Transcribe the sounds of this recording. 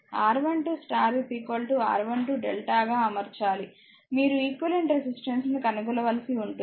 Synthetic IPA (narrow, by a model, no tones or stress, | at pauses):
aːɾʋɐɳʈusʈaːɾipiːkolʈua̰ːɾʋɐɳʈuɖɛlʈaːɡaːɐmɐɾt͡ʃaːli | miːɾuiːkʋɐleɳʈɾesisʈensnukɐnuɡulɐʋɐlisiuɳʈu